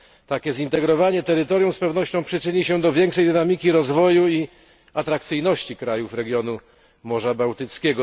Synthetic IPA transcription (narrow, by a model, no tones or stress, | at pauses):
t̪akʲɛzint̪ɛɡɾɔvaɲɛt̪ɛɾɘt̪ɔɾjuw̃spɛvn̪ɔɕt͡ɕɔ̃w̃pʂɘt͡ʂɘɲiɕɛd̪ɔvʲjɛŋkʂɛjd̪ɘnamʲikʲiɾɔzvɔjui | at̪ɾak̚t̪sɘjnɔɕt͡ɕikɾajufɾɛɡʲjɔnu | mɔʐabawt̪ɘt̪skʲɛɡɔ